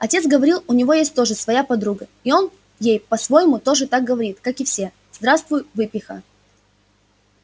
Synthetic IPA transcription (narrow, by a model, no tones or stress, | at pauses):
ɐtʲe̞t̪sɡəvɐɾʲilˠʊnʲɪvo̞jesʲt̚ʲt̪o̞ʐɨsvɐjapɐd̪ɾuɡəɪo̞n | jejpɐsvo̞jɪmʊt̪o̞ʐɨt̪ak̚ɡəvɐɾʲit̪kakɨfsʲe̞ | zd̪ɾast̪vʊjʊvɨpʲɪxə̰